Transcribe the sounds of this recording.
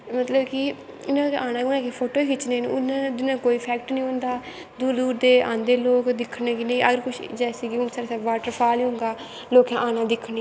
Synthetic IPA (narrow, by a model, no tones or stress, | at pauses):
mət̪ləbkɪ | ɪnãːkaːnãːʊnãːkepʰoːʈoːɦɪt͡ʃnẽːn̰ʊnãːd̪ɪnãːkoːiːpʰɛːkʈnĩːʊ̃nd̪aː | d̪uːɾd̪uːɾd̪eːʔã̰ːnd̪eːloːkd̪ɪkʰːnẽːkinẽĩʔəɡəɾkʊʃʰd͡ʒɛːseːɡiːʊnsaːɾsaːʋaːʈəɾpʰaːliʊ̃ŋɡaː | loːkãːʔaːnãːd̪ɪkʰːni